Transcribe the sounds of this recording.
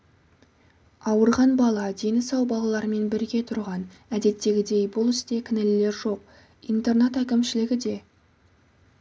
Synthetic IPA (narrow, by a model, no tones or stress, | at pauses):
ɑwəɾʁɑnbɑlˠɑd̪e̞nɪsɑwbɑlˠɑlˠɑɾəme̞nbɪɾɡʲe̞t̪ʰʊɾʁɑn | æd̪e̞t̪ːe̞ɡʲɪd̪e̞jbʊlˠɪst̪e̞kʲʰɪnelɪle̞ɾʒo̞q̚ | ijnt̪e̞rnet̪ækʲɪmʃɪlɪɡʲɪd̪e̞